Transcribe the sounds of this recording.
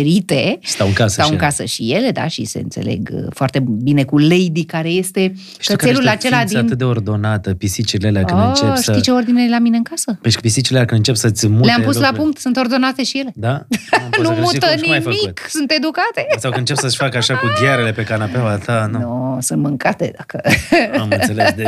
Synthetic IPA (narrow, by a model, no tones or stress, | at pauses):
ɾit̪e̞st̪awɨŋkasət̪awɨkasə̰ʃije̞le̞d̪a̰ʃḭsḛɨnse̞̰le̞̰ɡfoart̪ebine̞kule̞jd̪ikaɾe̞je̞st̪e̞ | kkelulat͡ʃe̞lad̪ianɨt̪̚d̪eord̪o̞nat̪əpisit͡ʃiileleakɨot͡ʃeit͡ʃeord̪inelamine̞ɨŋkasəpepisit͡ʃileakɨnɨnt͡ʃepsəɨt̪sʲmuleampuslapuŋk̚t̪sunt̪o̞rd̪o̞nat̪e̞ʃije̞le̞d̪anumut̪ənimajmfəit̪ksunt̪e̞d̪ukat̪e̞sawɨnt͡ʃe̞p̚ssəʃʲfakəaʃakuɡ̪jaɾele̞pe̞kanapawat̪anunosunt̪mɨŋkat̪e̞̰d̪akəamseled̪